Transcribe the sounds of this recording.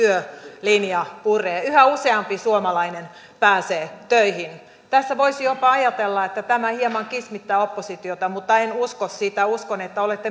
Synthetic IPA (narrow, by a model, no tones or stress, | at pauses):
yølinjɑpureːyhæuseɑmpisuomɑlɑinen | pæːseːt̪øihin | t̪æsːæʋoisijopɑɑjɑt̪elːɑet̪ːæt̪æmæhiemɑŋkismit̪ːæːopːosit̪iot̪ɑmut̪ːɑenuskossit̪æuskonet̪ːæolet̪ːe